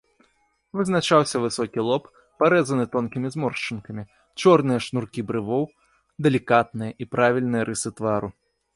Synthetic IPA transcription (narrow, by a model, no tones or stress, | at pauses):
vɨznat͡ʂawsʲɐvɨsɔkʲilˠɔpː | aɾɛzɐnɨt̪ɔnkʲimʲizmɔrʂt͡ʂɨnkɐmʲi | t͡ʂɔrnɨjɐʂnurkʲibɾɨvɔw | d̪ɛlʲikat̪̚nɨjɐʔipɾavʲilʲnɨjɐɾɨsɨt̪vaɾu